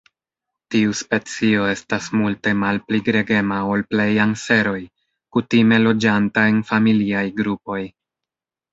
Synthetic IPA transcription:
tiuspe̞t͡sio̞e̞stasmulte̞malpliɡɾe̞ɡe̞mao̞lple̞jaŋse̞ɾo̞j | kutime̞lo̞d͡ʒantae̞nfamiliajɡɾupo̞j

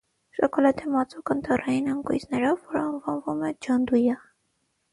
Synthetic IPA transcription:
ʃɔkɔlɑt̪imɑt͡sukənt̪ʰɑrɑjinɑŋkṵjt͡snɛɾɔvːɔɾəːɱvɑnvumɛd͡ʒɑnd̪ujɑ

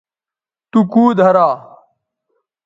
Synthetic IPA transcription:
t̪ukuːd̪ʱɐɾaː

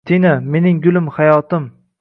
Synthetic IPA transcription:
t̪ʰiname̞nɪŋɡʊlˠɪmhajɒt̪ɪm

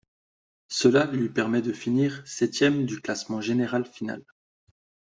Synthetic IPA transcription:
səlalɥipɛʁmɛd̪əfiniːʁsɛt̪jɛmd̪yklasmɑ̃ʒeneʁalfina̰l

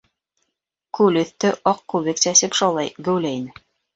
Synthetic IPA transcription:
kʉlɵ̆θt̪ɘʔɑqːkʉβɘksæsɘpʃɑlˠɑjɡɘ̆wlæinɘ

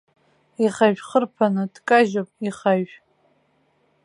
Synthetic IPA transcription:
iχaʒᶣχərpʰanɨdkʼaʒopʼiχaɥ

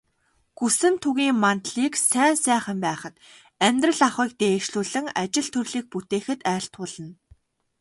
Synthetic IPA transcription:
ɡ̥usɘ̆nt̪ʰuɣiːŋmant̪ɮiːksæːnsæːχə̆mpæːχə̆t̪ | æmʲt̪rə̆ɮaχiːk̚t̪eːʃɮuːɮɘ̆ŋat͡ɕɪ̆ɮt̪ʰɵrɮiːk̚put̪eːxɘ̆t̪æːɬt̪ʊːɮə̆n

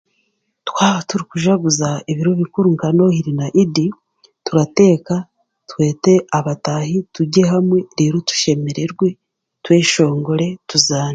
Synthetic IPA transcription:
twaːβatuɾikuʒaɡuzaiβiɾoβikuɾuŋkano̞hiɾinaʔidi | tuɾate̞ːka | twe̞ːte̞aβatahituɟe̞ɦamwe̞ɾiɾutu̥ʃe̞me̞ɾe̞ɾɡwe̞ | twe̞ːʃo̞ːŋɡo̞ɾe̞tuzaːn

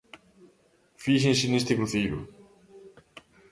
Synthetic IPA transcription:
fiʃ̬ensinest̪ekɾuθiɾṵ

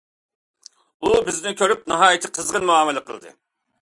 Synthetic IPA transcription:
ubɪznɪkʲʰøɾyp̚nɨɦɑːjɪt̪ʰɪqʰəzʁənmuɑːmɪlɛqʰə̰lˠd̪ɨ̰

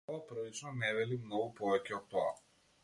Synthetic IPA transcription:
apɾɔlit͡ʃnɔnɛvɛlimnɔɡupɔvɛcɛot̪ːɔa

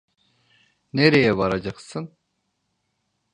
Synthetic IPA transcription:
neɾejɛbɑɾɑd͡ʒɑqsɯn

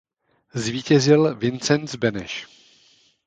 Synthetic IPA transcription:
zviːcɛzɪlvɪnt͡sɛnzbɛnɛ̰ʃ

